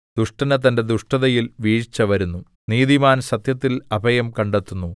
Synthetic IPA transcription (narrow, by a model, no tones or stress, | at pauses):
d̪̥uʂʈɐnɐt̪̬ɐnde̞d̪uʂʈɐðɐjilʋiːɻt͡ɕːɐʋɐɾunːu | niːðimaːnɕɐt̪jɐt̪ːilɐbʱɐjɐmkɐɳɖet̪ːunːu